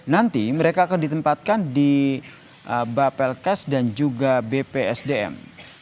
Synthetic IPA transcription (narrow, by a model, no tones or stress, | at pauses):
nant̪iməɾekaːkandit̪əmpat̪̚kandi | əbapɛlkɛsdand͡ʒuɡabepeɛsdeɛ̰m